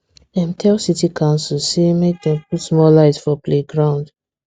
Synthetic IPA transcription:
ɛ̃mtʰɛlsitikʰãʊ̃nsɔlsemek̚d̪ɛ̃mp̚utsmɔlaɪtfɔpleɡɹãʊ̃nd

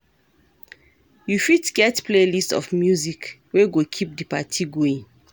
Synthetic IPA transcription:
jufitɡɛtpʰlelistɔ̰fmjuzik | weɡokʰip̚dipatʰiɡoĩŋ

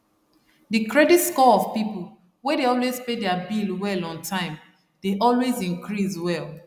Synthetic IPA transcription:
dɨkɹɛditskɔɔvpipo | wɛ̃deɔlwezpedɛabilwɛlɔ̃ntʰãɪ̃m | d̥eʔɔlwezĩŋkɹizwɛl

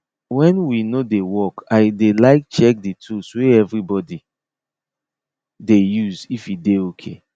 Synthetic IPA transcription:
wɛ̃nwinodewɔkaɪdelaɪk̚t͡ʃɛk̚ditʰusweɛvɹibɔdi | dejuzifideokʰe

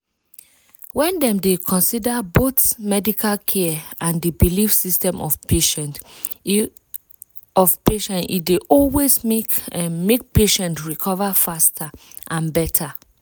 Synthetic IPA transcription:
wɛ̃ndɛ̃mdekʰɔ̃nsidəboθmɛdikʰalkʰɛãndəbilifsistɛ̃mʔɔfpeʃɛ̃nt | ɔvpeʃɛ̃ntḭdeʔɔlwezmekmek̚peʃɛ̃ntɹikʰɔvafastʰaʔãnbɛtʰa

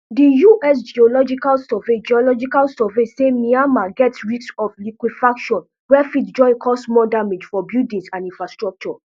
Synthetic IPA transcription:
dijuʔɛs̬d͡ʒiɔlɔd͡ʒikalsɛved͡ʒiɔlɔd͡ʒikalsɛvesemĩãnmaɡɛtsɹisɔflikwidfakʃɔ̃n | wɛfitd͡ʒɔ̃ɪ̃kʰɔsmɔdamed͡ʒfɔbjudĩsãnĩnfɹastɹɔk̚t͡ʃɔ

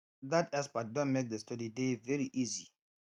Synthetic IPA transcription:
ðatɛspat̚dɔ̃nmek̚dəstɔdidevɛɹiʔizi

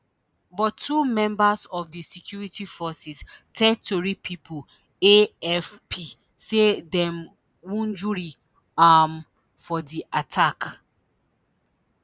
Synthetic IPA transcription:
bɔtːumɛ̃mbasɔfdisɛkʰjuɹitifɔsistʰɛtoɹipʰipʰu | eɛfpʰi | sedɛ̃m | wũnd͡ʒuɹi | am | fɔdiʔatʰak

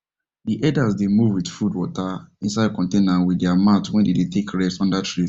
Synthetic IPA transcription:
diʔɛdasdemuvwid̥fudwɔtaĩnsaɪd̚kɔ̃ntenanwidɛamatwɛ̃ndedetʰekɹɛstɔ̃ndatʰɹi

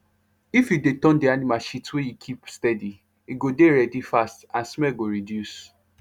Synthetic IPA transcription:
ifjudetɔ̃ndianimalʃitwejukʰipstɛdi | iɡodeɾɛdifastãnsmɛlɡoɾidjus

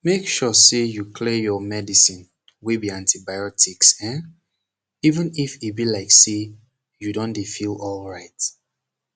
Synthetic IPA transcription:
mekʃɔsejukʰlejɔmɛdisĩn | wibiãntʰibaɪɔtʰiksɛ̃n | ivə̃nifibilaɪkse | judõndefilɔlɹaɪt

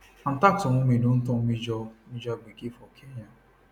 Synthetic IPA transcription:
ãtatɔ̃ũmĩlõn̩tɔ̃mĩd͡ʒɔmĩd͡ʒɔɡ͡biɡefɔkʰejã

